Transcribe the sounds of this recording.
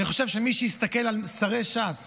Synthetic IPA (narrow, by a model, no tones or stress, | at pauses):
niχo̞ʃevʃemiʃiist̪ake̞lalsaʁeʃas